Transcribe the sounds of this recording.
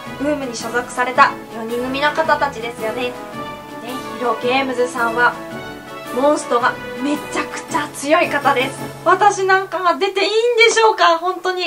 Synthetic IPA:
b̥ɯ̟̃ːmɯ̟ɲ̟iɕozakɯ̟̥saɾe̞t̪ajo̞ɲ̟ĩŋɡɯ̟mʲinokat̪at̪at͡ɕid̪e̞sɨjo̞ne̞ | neçiɾo̞ɡe̞ːmɯ̟zɨsãɰ̃βa | mõ̞ɰ̃sɨ̥t̪o̞ɡame̞t͡ɕːakɯ̟̥t͡ɕat͡sɨjo̞ikat̪ad̪e̞sɨ̥ | βat̪aɕinãŋkamad̪e̞t̪e̞iːnd̪e̞ɕo̞ːkahõ̞nt̪o̞ɲ̟i

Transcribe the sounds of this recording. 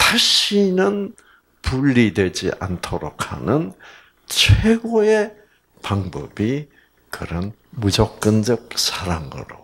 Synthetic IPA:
taɕʰinɯn | puʎːidwe̞d͡ʑḭʔa̰ntʰoɾokʰa̰nɯn | t͡ɕʰweɡoe | paŋbʌ̰bi | kɯɾʌn | mud͡ʑʌk̚k͈ɯnd͡ʑʌk̚sʰaɾaŋɯ̰ɾo

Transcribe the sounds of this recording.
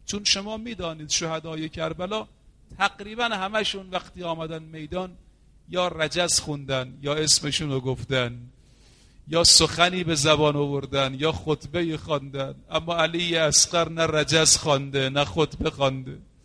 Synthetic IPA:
t͡ʃʰunʃomɒːmiːd̪ɒːniːd̪̥ʃohæd̪ɒːjekʰæɾbælɒː | t̪ʰæɡɾiːbænhæmæʃuːnvæxt̪iːɒːmæd̪ænme̞jd̪ɒːn | jɒːɾæd͡ʒæzxund̪ænjɒːesmeʃuːnoɡoft̪æn | jɒːsoxæniːbe̞zæbɒːnovoɾd̪ænjɒːxot̪ʰbeiːxɒnd̪ænʔæmːɒːæliːjeæsqæɾnæræd͡ʒæzxɒnd̪enæxot̪ʰbexɒnd̪e

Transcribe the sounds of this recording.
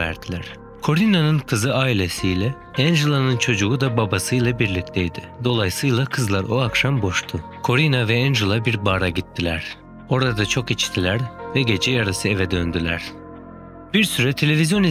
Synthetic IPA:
æ̰ɾd̪ilʲæɾ̥ | kʰo̞ɾinanɯnkʰɯzɯaːilʲe̞sijlʲɛ | ænd͡ʒulˠanɯnt͡ʃʰo̞d͡ʒuɡud̪ababasɯjlˠabiɾlʲic̚ʲt̪ʰɛjd̪ɪd̪o̞lˠajsɯjlˠakʰɯzlˠaɾo̞akʃambo̞ʃt̪ʰʊ | kʰo̞ɾinavɛænd͡ʒulˠabiɾbaɾaɟit̪ʰːilʲæɾ̥ | o̞ɾad̪at͡ʃʰo̞kit͡ʃt̪ʰilʲæɾvɛɟe̞d͡ʒɛjaɾasɯe̞vɛd̪ø̞nd̪ylʲæ̰ɾ̥ | b̥iɾsyɾɛt̪ʰe̞lʲe̞vizʲjo̞ni

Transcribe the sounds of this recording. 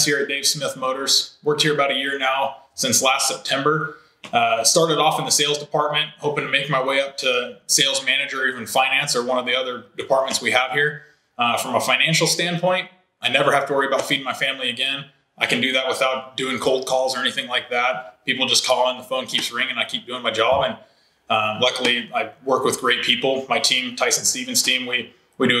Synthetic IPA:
sɪɹɨt̚d̥eɪv̥smɪθmoʊɾə˞z̥wɜ˞k̚t̚hiɹɨbaʊɾɨjɪɹnaʊsɪ̃nslæstsɛp̚tʰɛ̃mbə˞ | stɑɹɾəɾɔfn̩ðɨseɪlˠzdɨpʰɑɹt̚mɨ̃nt̚hoʊpɪ̃ŋtʰɨmeɪk̚maɪweɪʌp̚tʰɨseɪlˠzmænɨd͡ʒə˞ivɨ̃n̩fãɪ̃næ̃nsə˞wʌ̃nʌvðiʌðə˞dɨpʰɑɹt̚mɨ̃ntswiəv̥hiɹ | fɹʌ̃məfãɪ̃ñæ̃nʃl̩ˠstæ̃npʰɔ̃ɪ̃nt̚ | aɪnɛvə˞hæftəwɜ˞iɨbaʊtfiɾɪ̃ŋmaɪfæ̃mliɨɡɛ̃n | ʔaɪkɨ̃n̩dɨðɨt̚wəθaʊt̚d̥ʉɪ̃ŋkʰoʊlˠd̚kʰɔlˠzə˞ɛniθɪ̃ŋlaɪk̚ðæt̚pipl̩ˠd͡ʒʌskʰɔlˠə̃nðəfõʊ̃nkʰipsɹɪ̃ŋɨ̃naɪkʰip̚d̥ʉɪ̃ŋmaɪd͡ʒɑbɨ̃n | lʌkl̩ˠiaɪwɜ˞kwɨðɡɹeɪt̚pʰipl̩ˠmaɪtʰĩmtʰaɪsn̩stivɨ̃n̩z̥tʰĩmwi | widɨ

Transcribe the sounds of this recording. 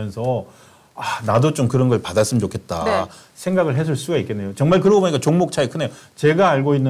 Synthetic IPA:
jʌnsʰʌ | anadot͡ɕ͈omkɯɾʌnɡʌɭpadas͈ɯmt͡ɕokʰe̞t̚t͈a̰ | sʰeŋɡaɡɯɭɦes̬ʰɯɭs͈uɡaik͈e̞nːejot͡ɕʌŋmaɭkɯɾʌboboɲik͈at͡ɕoŋmok̚t͡ɕʰaekʰɯne̞jot͡ɕe̞ɡaːɭɡoinː

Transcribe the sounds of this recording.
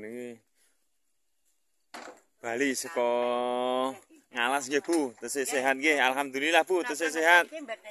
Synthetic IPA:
nki | b̥a̤lisəkɔ | ŋalaskebut̪əseseɦat̪̚kealɦamd̪ulilahput̪əses̬eɦat̪̚

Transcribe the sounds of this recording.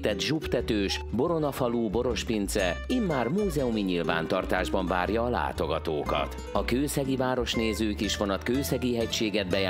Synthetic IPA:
t̪ɛd̪ʒupt̪ɛt̪øːʃbo̞ɾo̞nɒfɒluːbo̞ɾo̞ʃpint̪sɛimːaːrmuːzɛumiɲilva̰ːnt̪ɒrt̪aːʒbɒɱva̰ːrjɒːla̰ːt̪o̞ɡɒt̪oːkɒ̰t̪ | ɒkøːsɛɡivaːɾo̞ʃneːzøːkiʃfo̞nɒt̪køːsɛɡiɦɛcʃeːɡɛd̪̚bɛja

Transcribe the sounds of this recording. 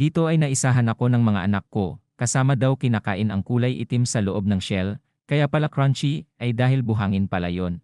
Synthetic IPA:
d̪iːt̪o̞ʔɐjnɐʔɪsaːɦɐnɐko̞nɐŋmɐŋa̰ʔɐnakːo̞kɐsaːmɐd̪awkɪnaka̰ːʔɪnɐŋkuːlɐjʔɪ̰t̪ɪmsɐloʔo̞b̚nɐŋʃɛl | kɐjaʔpɐlakɾant͡ʃiʔɐjd̪aːhɪlbʊɦaːŋɪnpɐla̰jo̞n

